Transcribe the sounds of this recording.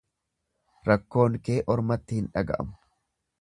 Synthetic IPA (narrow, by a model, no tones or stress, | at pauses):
ɾɐkːo̞ːŋke̞ːʔɔɾmɐt̪ːɪhɪnᶑɐɡɐ̰ʔɐ̰mʊ̥